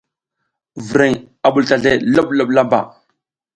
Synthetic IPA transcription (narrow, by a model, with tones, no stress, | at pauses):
vɾe˨ŋ | a˨ɓu˨lta˨ɮe˦lo˦ɓlo˦ɓla˦mba̰˨